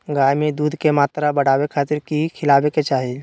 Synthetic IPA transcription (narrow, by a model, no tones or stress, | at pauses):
ɡaːjmẽd̪uːd̪ʱkemaːt̪ɾabɐɽ̤aːwekʰaːt̪ɪɾkikʰɪlaːweket͡ʃaːɦɪl